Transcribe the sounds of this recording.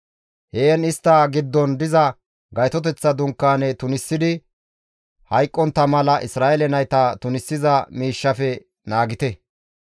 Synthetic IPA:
heːnɪst̪ːɐɡɪd̪ːɔnd̪ɪzɐ | ɡɐjt̪ɔt̪ɛt͡sːɐd̪ʊŋkːaːnɛt̪ʊnɪsːɪd̪ɪ | hɐjkʼːɔnt̪ːɐmɐlɐʔɪsɾaːʔɛlɛnɐjt̪ɐt̪ʊnɪsːɪzɐmiːʃːɐfɛ | naːɡɪt̪ɛ

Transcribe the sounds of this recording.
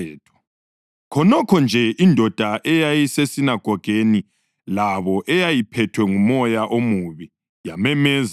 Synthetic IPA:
ɛːtʰɔ̥ | kʰɔnɔkʰɔnd͡ʒʱɛʔindʱɔd̥ʱaʔɛjajisesinaɡ̥ʱɔɡ̥ʱeni | laβɔʔɛjajipʰɛtʰwɛŋumɔjaʔomuβi | jamɛmɛːz

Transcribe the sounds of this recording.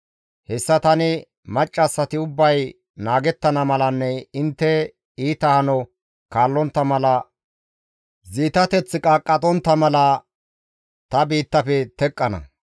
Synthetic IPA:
hɛsːɐt̪ɐnɪ | mɐt͡ʃʼːɐsːɐt̪ɪʊbːɐj | naːɡɛt̪ːɐnɐmɐlɐnːɛɪnt̪ːɛ | iːt̪ɐhɐnɔ | kaːlːɔnt̪ːɐmɐlɐ | ziːt̪ɐt̪ɛt͡sːɪkʼaːkʼːɐt̪ʼɔnt̪ːɐmɐlɐ | t̪ɐbiːt̪ːɐfɛt̪ɛkʼːɐnɐ̰

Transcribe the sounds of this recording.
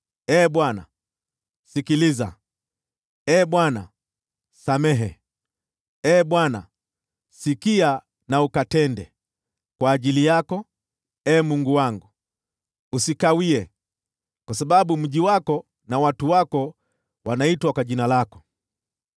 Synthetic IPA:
ɛːɓwana̰ | sikiliza̰ | ɛːɓwana̰ | samɛɦɛ | ɛːɓwana̰ | sikia | naukatɛndɛ | kwaːʄilijakɔ | ɛːmuŋɡuwaŋɡu | usikawiɛ | kwasaɓaɓum̩ʄiwakɔ | nawatuwakɔ | wanaitwakwaʄinalakɔ̥

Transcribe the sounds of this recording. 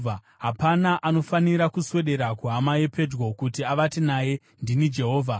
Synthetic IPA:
a | ɦapanaʔano̞faniɾakuswe̞ɗe̞ɾakuɦamaje̞pʰe̞d͡ʒɡo̞kutiaʋatinaje̞ | ndinid͡ʒe̞ɦoːvʱa

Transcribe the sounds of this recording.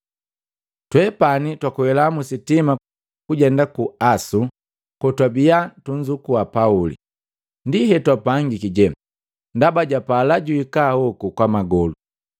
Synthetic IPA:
twɛpanitwakuwɛlamusitima | kuɟɛndakuasu | kɔtwabiatuɲd͡ʒukuapaulḭ | ndiɦɛtwapaŋɡikiɟɛ | ndabaɟapalaɟuikahɔkukwamaɡɔlu

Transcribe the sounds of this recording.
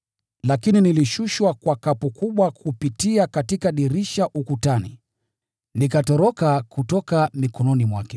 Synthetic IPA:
lakininiliʃuʃwakwakapukuɓwakʰupitiakatikaɗiɾiʃaʔukutanḭ | nikatɔɾɔkakutɔkamikɔnɔnimwakɛ

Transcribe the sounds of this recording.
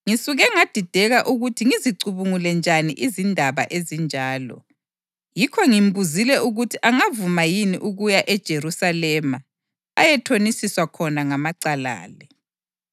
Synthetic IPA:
ŋisuɣɛŋad̥ʱid̥ʱɛɣaʔuɣutʰiŋiziǀuβuŋulɛnd͡ʒʱanḭʔizindʱaβa̰ʔezind͡ʒʱaːlɔ̰ | jikʰɔŋimbuzilɛʔuɣutʰiʔaŋavumajiniʔuɣujaʔɛd̥ʒ̥ʱerusalɛma | a̰jɛtʰonisiswakʰɔnaŋamaǀala̰ːlɛ

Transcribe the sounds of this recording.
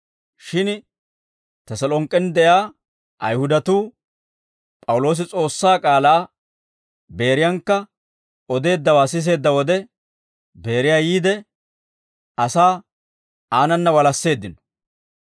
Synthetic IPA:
ʃɪn | t̪ɐsɐlɔŋkʼːɛnd̪ɛjaː | ʔɐjhʊd̪ɐt̪uː | pʼɐwʊlo̞ːs̬ɪt͡sʼo̞ːsːaːkʼaːlaː | be̞ːɾɪjɐŋkːɐ | ɔd̪e̞ːd̪ːɐwaːsɪs̬e̞ːd̪ːɐwɔd̪ɛ | be̞ːɾɪjaːjiːd̪ɛ | ɐsaː | aːnɐnːɐwɐlɐsːe̞ːd̪ːɪnɔ̥

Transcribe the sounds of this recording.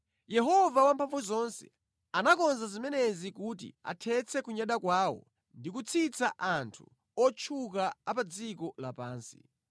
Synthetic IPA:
jɛɦɔvawampʰaɱvuzɔnsɛ̰ | anakɔnzazimɛnɛzikut̬ḭa̰tʰɛt͡sʰɛkuɲaɗakwaːwɔ̰ | ndikut͡sʰit͡saʔantʰu | ɔt͡ʃʰuk̬aapad͡zikɔlapaːnsi̥

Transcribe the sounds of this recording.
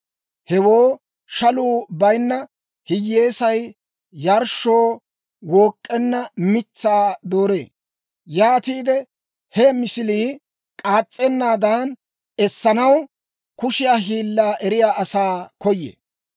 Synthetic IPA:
hɛwoː | ʃɐluːbɐjnːɐ | hɪjːe̞ːsɐj | jɐɾʃo̞ː | woːkʼːɛnːɐmɪt͡sːaːd̪o̞ːɾe̞̰ː | jaːt̪iːd̪ɛ | hɛmɪsɪliː | kʼaːt͡sʼːɛnːaːd̪ɐn | ɛsːɐnɐw | kʊʃɪjaːɦiːlːaːʔɛɾɪjaːʔɐsaːkɔjːḛː

